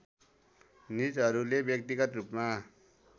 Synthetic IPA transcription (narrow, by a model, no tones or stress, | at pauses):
nit͡sɦʌɾulebjʌk̚t̪iɡʌt̪rupma